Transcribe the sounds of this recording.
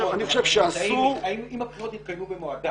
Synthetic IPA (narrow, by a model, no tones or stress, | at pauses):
ɐnixoʃevʃeasuɐimimɐpχiɾot̪it̪̚kɐjmubemoad̪a